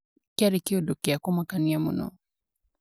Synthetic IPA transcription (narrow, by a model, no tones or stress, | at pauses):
kaɾɛkɪodokeakɔmakaniamɔ̰nɔ̰